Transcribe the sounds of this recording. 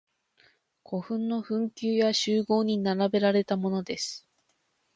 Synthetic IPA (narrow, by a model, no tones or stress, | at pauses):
kʰo̞ɸɯ̟̃nːo̞ɸɯ̟̃ŋkʲɨːjaɕɨːɡo̞ːɲ̟inaɾabe̞ɾaɾe̞t̪amo̞no̞d̪e̞sɨ̥